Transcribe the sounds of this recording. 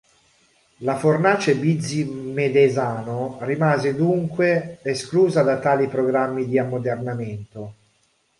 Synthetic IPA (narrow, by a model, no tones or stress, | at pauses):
lafornaːt͡ʃebid̪zːimed̪ezaːnorimaːzed̪uŋkweeskluːzad̪at̪aːlipɾoɡɾamːid̪iamːod̪ernament̪o